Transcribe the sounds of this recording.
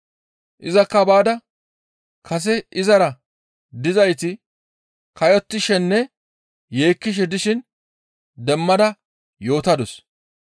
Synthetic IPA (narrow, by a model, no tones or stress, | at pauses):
ʔɪzɐkːɐbaːd̪ɐ | kʰɐs̬ɛʔɪzɐɾɐ | d̪ɪzɐjt̪ɪ | kɐjɔt̪ːɪʃɛnːɛ | je̞ːkːɪʃ̬ɛd̪ɪʃɪn | d̪ɛmːɐd̪ɐ | jo̞ːt̪ɐd̪ɔs